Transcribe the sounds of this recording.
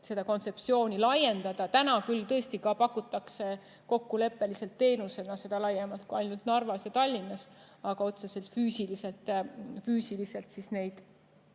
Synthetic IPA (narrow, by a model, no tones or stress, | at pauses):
se̞d̪̥ɑko̞nse̞pt̪sio̞ːnilɑje̞nd̪̥ɑd̪̥ɑt̪ænɑkylt̪ɤ̞est̪ikɑpɑkːˑut̪ːˑɑkse̞ | ko̞kːule̞pːe̞lise̞lt̪ːe̞ːnuse̞lnɑse̞d̪ɑlɑjemɑlt̪̚kuɑjnult̪nɑrvɑsjɑt̪ɑlʲːinːɑs | ɑɡ̥ɑo̞t̪se̞se̞lt̪fyːsilise̞lt̪ˑfyːsilise̞lt̪sisne̞jd̪̥